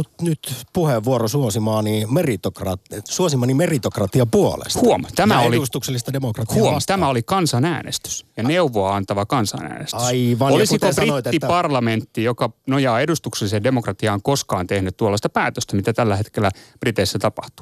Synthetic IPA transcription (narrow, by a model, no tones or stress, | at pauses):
mut̪nyt̪puheʋːuorosuosimɑːnimerit̪okrɑtsuosimːˑɑnimerit̪okrɑt̪iɑpuolḛshuomt̪æmæoliust̪ukselːist̪ɑdemokrɑt̪huomt̪æmæolikɑnsɑnæ̰ːnḛst̪y̥sjɑneuʋoɑɑnt̪ɑʋɑkɑnsɑ̰næ̰ːnest̪ɑiʋɑolisikosbriot̪eːipɑrlɑment̪ːijokɑnojɑːedust̪ukselːisedemokrɑt̪iɑːŋkoskɑːnt̪ehnyt̪t̪uolːɑst̪ɑpæːt̪øst̪æmit̪æt̪ælːæhet̪kelːˑæb̥rit̪eisːæt̪ɑpɑht̪u̥